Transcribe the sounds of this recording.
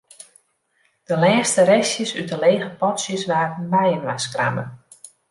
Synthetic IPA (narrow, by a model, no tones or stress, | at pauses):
d̥əlɛːstəɾɛsjəsytəleːɣəpɔtsjəsʋaːrn̩bɛjənʋaskra̰mə̰